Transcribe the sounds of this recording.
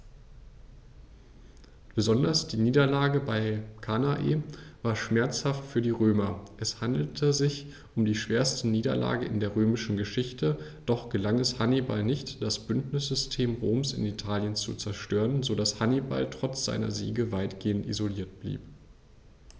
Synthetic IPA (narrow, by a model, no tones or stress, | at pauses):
b̥əzɔndɐsd̥iːniːdɐlaːɡəbaɪkʰanaʔḛːvaːɐʃmɛɐt͡shaftfyːɐdiːʁøːmɐʔɛshandl̩tʰəzɪç | ʔʊmdiːʃv̥eːɐstəniːdɐ̰lʔa̰ːɡəɪndeːɐʁ̞øːmɪʃn̩ɡəʃɪçtʰəd̥ɔχɡ̥əlaŋɛshaniba̰lnɪçtd̥asb̥ʏntnɪsz̥ʏstʰeːmʁoːmsɪ̰nitʰaːljənt͡sṵt͡sɛɐʃtøːʁənzodashaniba̰ltʁ̥ɔt͡sz̥a̰ɪnɐ̰zḭːɡəvaɪtɡ̥eːəntḭzoliːɐt̚b̥lḭːp